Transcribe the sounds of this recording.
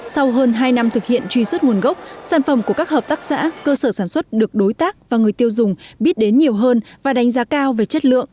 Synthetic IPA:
sa˧wɦəː˧nɦaː˧jna˧mt̪ʰɨ˨˩k̚hḭ˧˨ənt͡ɕwi˧swə˦˥t̚ŋu˨˩ənɣə˦˥wk͡p̚saː˧˩nfə˧˩mku˧˩əkaː˦˥k̚həː˨˩p̚t̪aː˦˥k̚sa̰ː˧˥kəː˧səː˧˩saː˧˩nswə˦˥t̚ɗɨ˨˩ək̚ɗo˨˦jt̪aː˦˥k̚vaː˨˩ŋɨ˨˩əjt̪i˧əwzʊ˨˩ŋ͡mɓi˦˥ət̚ɗe˨˦nɲi˨˩əwɦəː˧nvaː˨˩ɗa˨˦ŋ̟zaː˨˦kaː˧wve˨˩t͡ɕə˦˥t̚lɨ̰˧˨əŋ

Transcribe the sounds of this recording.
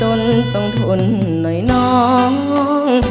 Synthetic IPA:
o˧nt̪ɔ˧ŋt̪ʰo˧˩nː | ɔ˨˦jnɔ˧˦ŋ˧˦ŋ

